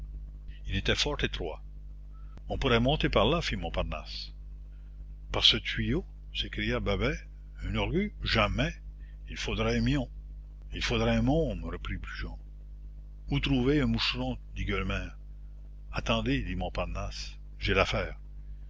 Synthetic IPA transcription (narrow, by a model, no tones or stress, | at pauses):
ilet̪ɛfɔʁt̪et̪ʁwa̰ | ɔ̃puʁɛmɔ̃t̪epaʁlafimɔ̃paʁna̰s | paʁsət̪ɥijo | sekʁijababɛ | ynɔʁɡyʒamɛ | ilfod̪ʁɛmjɔ̃ | ilfod̪ʁɛɛ̃mɔ̃məʁəpʁibyʒɑ̃ | ut̪ʁuveɛ̃muʃrɔ̃d̪iɡœlmɛːʁ | at̪ɑ̃d̪ed̪imɔ̃paʁnas | ʒelafɛːʁ